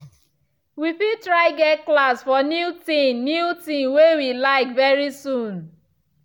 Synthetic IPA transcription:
wifitɾaɪɡɛklasfɔnjutĩmnjutĩmwewilaɪkvɛɹisun

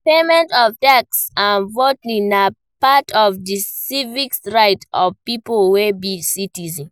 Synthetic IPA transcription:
pemɛ̃ntɔvtak̚sãnvotnĩna | patɔvdisivikɹaɪtɔvpipolwebisitizĩn

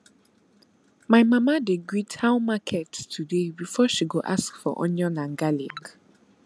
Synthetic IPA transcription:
maɪmamadeɡɹitʰãʊ̃makʰɛttʰudebifɔʃiɡoʔa̰skfɔ̰ʔɔ̰̃ɲɔ̃nãŋɡalḭ̃ɡ

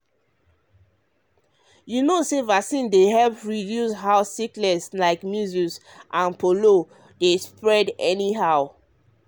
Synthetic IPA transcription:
junosevaksĩndehɛlpɹidjusɦaʊsːiklɛslaɪkmjuzus | ʔãnpʰolo | despɹɛdɛniɦaʊ

